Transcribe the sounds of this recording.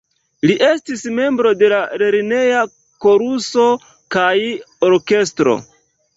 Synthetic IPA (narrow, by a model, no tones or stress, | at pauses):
liʔe̞stisme̞mbɾo̞de̞laɾeɾine̞ja | ko̞ɾuso̞ | kaj | oɾke̞stɾo̞̰